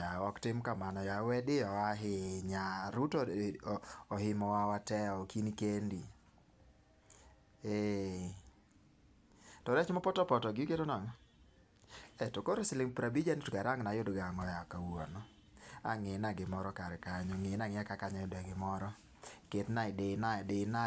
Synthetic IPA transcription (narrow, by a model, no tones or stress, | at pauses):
jawɔktɪmkamanɔjawɛdɪɔaɦɪɲaɾutɔ | ɔhɪmɔwawatɛɔkinikendi | e | tɔɾɛt͡ʃmɔpɔtɔpɔtɔɡɪukedonaŋɔ | ɛtokoɾosilɪŋpɾabid͡ʒanotkaɾaŋnajodɡaŋɔjakawanɔ | a̰ŋɪnaɡɪmɔɾɔkaɾɛkaɲɔŋɪnaŋɪakakaɲajodaɡɪmɔɾɔ | ketnaɪdɪnadɪna